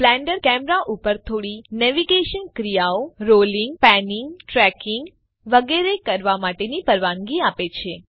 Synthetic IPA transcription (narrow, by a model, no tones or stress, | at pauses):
plɛ̃ɳɖəɾkɛmɾaʔupəɾt̪ʰoɽinɛʋiɡeʃənkɾijaoɾoliŋɡ̚pɛnɪŋɡʈɾɛkɪŋɡ | ʋəɡeɾekəɾʋamaʈenipəɾʋaŋɡiapet͡ʃʰe